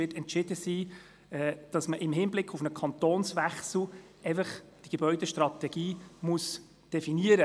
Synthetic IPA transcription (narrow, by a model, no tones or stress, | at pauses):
ɪtɛntʃɪdəsiː | ɛːd̥ɑsməʔɪmɦɪnblɪkʰːʊfnəkʰɑnt̪oːnsʋæχsl̩ | ɛɪfəχd̥iɡ̥ebœʏdeʃtrɑt̪ɛɡ̥iːmʊs | d̥ɛfiniəɾə